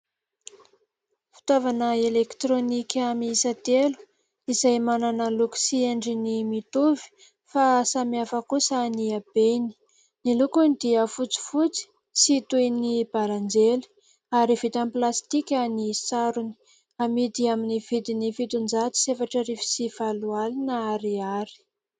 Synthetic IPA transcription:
fi̥t̪avanəelekt̪ɾonikʲamisat̪elu̥ | izajmananəluksieɳɖ͡ʐinimit̪uvi̥ | fasamiafəkusaniab̥eni̥ | nilukunid̪iəfut͡si̥fut͡si̥ | sit̪ujnib̥aland͡zeli̥ | aɾivit̪amplast̪ikʲanisaɾuni̥ | amid̪iaminiv̥id̪inifit̪und͡zat̪i̥sefaʈ͡ʂəɾifi̥siv̥alualinəaɾiaɾi̥

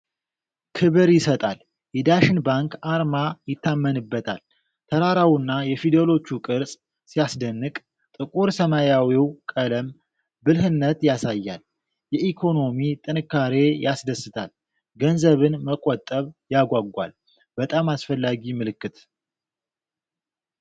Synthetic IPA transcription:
kʰɨβɨɾjɪsət̪ʼa̰l | jɛd̪aʃɪnbaŋkaɾmajɪt̪ʰːamːənɨbːət̪ʰa̰l | t̪ʰəɾaɾawunːajɛfid̪elo̞t͡ʃːukʼɨɾsʼ | sijasd̪ənːɨkʼ | t̪ʼɨkʼuɾsəmajawiwkʼələm | bɨlɦɨnːət̪jasajːa̰l | jɛikʰo̞no̞mit̪ʼɨnɨkːaɾe̞jasd̪əsːɨt̪ʰal | ɡənzəβɨnməkʼɔt̪ʼəβjaɡʷaɡːʷa̰l | b̥ət̪ʼamasfəlːaɡimɨlɨkːɨt̪

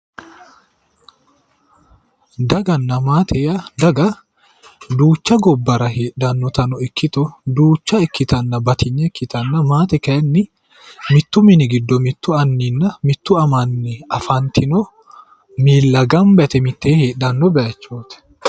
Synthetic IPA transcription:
d̪ɐɡɐnːɐmaːt̪ʰɛjɐd̪ɐɡɐ | d̪uːt͡ʃːɐɡɔbːɐɾɐɦeːᶑɐnːɔt̪ɐnɔɛkʰːɪt̪ʊd̪uːt͡ʃːɐɛkːɪt̪ɐnːɐbɐt̪ʰɪɲːɛkːɪt̪ɐnːɐmaːt̪ɛkɐjɐnːɪ | mɪt̪ːʊmɪnɪɡɪd̪ːɔmɪt̪ːʊɐnːinːɐmɪt̪ːʊɐmɐnːɛɐfɐnt̪ʰɪnɔ | miːlːɐɡɐmbɛt̪ɛmɪt̪ːeːheːɗɐnːɔbɛʔɐt͡ʃːoːt̪ɛ̥

